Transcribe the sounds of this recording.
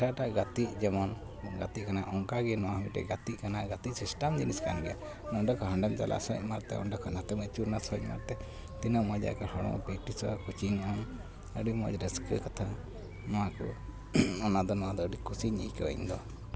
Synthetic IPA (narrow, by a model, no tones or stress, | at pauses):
ʈaʈaʔɡat̪iʔ̚d͡ʒɛmɔn | ɡat̪iʔ̚kanaʔɔŋkaɡɛnɔwahmiʈɛ̰ɡat̪iʔ̚kanaɡat̪iʔsisʈamd͡ʒiniskanɡɛja | nɔɖɔkʰɔɦəɳɖɛmt͡ʃa̰lʔa̰sɔ̰c̚maɾt̪ɛ̰ɔ̰nɖɔkʰɔnat̪ɛmət͡ʃuɾnasɔc̚ma̰ɾt̪ɛ | t̪inəʔɔd͡ʒa̰ʔkahɔɽɔ̰̃ŋ̰pɛʈisɔkut͡ʃiɲɔn | əɖimɔ̰d͡ʒɾəskə̰kat̪ʰa | nɔwakɔ̰ | ɔnad̪ɔnɔwad̪ɔəɖikusiɲikəḭɲd̪ɔ